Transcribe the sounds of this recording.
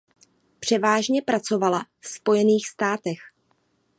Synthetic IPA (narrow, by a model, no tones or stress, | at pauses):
pr̝̥ɛvaːʒɲɛpɾat͡so̞valafspo̞jɛniːxst̪aːt̪ɛx